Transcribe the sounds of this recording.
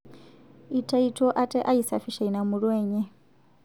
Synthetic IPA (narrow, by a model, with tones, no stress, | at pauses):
i˨tʰʼa˦itʰɔ˦ʔa˦tʼɛ˦ʔa˦isa˨fi˨ʃa˨ina˨mu˨ɺwɛː˦ɲɛ˦